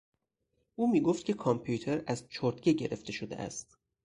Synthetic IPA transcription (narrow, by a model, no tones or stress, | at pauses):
ʔuːmiːɡoft̪̚cʰʲe̞kʰɒmpʰjut̪ʰe̞ɾæzt͡ʃʰoɾt̪ɡeɟe̞ɾe̞ft̪e̞ʃod̪eʔæ̰st̪